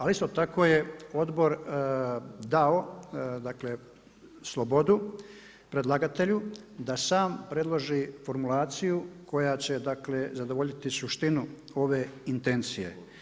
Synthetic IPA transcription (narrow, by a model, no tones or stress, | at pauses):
alist̪o̞t̪ako̞ːje̞o̞d̪bo̞ɾ | d̪ao̞d̪akle̞ | slˠo̞bo̞d̪u | pɾe̞d̪lˠaɡat̪e̞ʎud̪asaːmpɾe̞d̪lˠo̞ʒifo̞ɾmulaːt̪sijukʰo̞jat͡ɕe̞d̪akle̞zad̪o̞ʋo̞ʎit̪isuʃt̪inu | o̞ʋe̞int̪e̞nt̪sije̞̰